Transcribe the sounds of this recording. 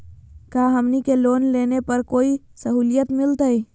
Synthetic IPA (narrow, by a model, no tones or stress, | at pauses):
kaɦəmnikelonlenepəɾkoːi | səɦuːlijət̪mɪlt̪əi